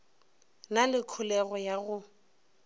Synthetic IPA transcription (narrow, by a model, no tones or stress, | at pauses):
nalɪkʰʊlɛɣɔjaɣʊ